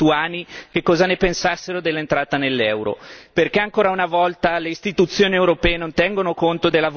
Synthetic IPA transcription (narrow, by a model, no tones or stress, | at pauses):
uaːnikekːɔːzanepensasːeɾod̪elːent̪ɾaːt̪anelːɛwɾo̰perkeaŋkoːɾaunavɔlt̪aleist̪it̪ut̪sːjoːniewɾopɛːenont̪ɛŋɡonokont̪od̪elːav